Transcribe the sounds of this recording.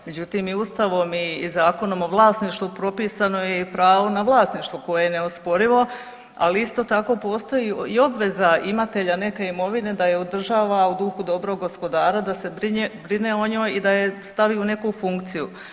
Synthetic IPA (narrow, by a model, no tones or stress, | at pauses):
me̞d͡ʑut̪iːmiust̪aʋo̞mizaːko̞no̞mo̞ʋlˠaːsniʃt̪ʋupɾo̞piːsano̞jeipɾaːʋonaʋlˠaːsniʃt̪ʋuko̞jejene̞ospo̞ɾiʋo̞ | a̰liist̪o̞ːt̪ako̞ːpo̞ːst̪o̞jiio̞bʋe̞zaimat̪e̞ʎane̞ke̞imo̞ʋine̞d̪aje̞od̪r̩ʒaːʋaud̪uxud̪o̞bɾo̞ɡɡo̞spo̞d̪aːɾad̪ase̞bɾiebɾine̞o̞ɲo̞ːjid̪aje̞st̪aʋiune̞kufuŋkt̪siju